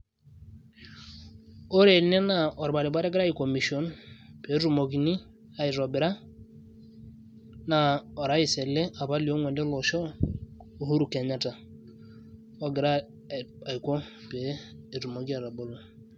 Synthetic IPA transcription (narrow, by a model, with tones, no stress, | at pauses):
o˦ɾe˨ne˦na˨o˨ɾba˨ɾi˨ba˦ɾe˦ɡɪ˦ɾa˦i˨ko˨mi˨sio˦npe˨˦ɾu˨mo˨ɡi˨ni˦ | a˨i˨ɾo˨bɪ˨ɾa˦ | na˨o˨ɾa˨˦i˨sɛ˨le˦a˨βa˦li˨o˦ŋʷɛ˨ndɛ˦lo˨ʃɔ˦ | o˨hu˦ɾu˨ke˨ɲa˦ta˨ | o˦ɡɪ˨ɾa˦ | a˨i˨ko˦peː˨˦˨ɾu˨mo˨ɡi˦a˨ɾa˨bo˦lo˨